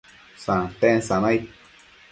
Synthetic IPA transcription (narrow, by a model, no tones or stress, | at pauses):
sãt̪ẽnsãnãj̚